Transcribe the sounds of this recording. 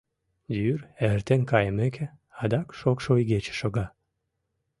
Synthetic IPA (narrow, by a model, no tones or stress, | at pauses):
d̪yrert̪enkɑjəmekʰe | ɑd̪ɑkʃokʃojɡet͡ɕe̥ʃoɣɑ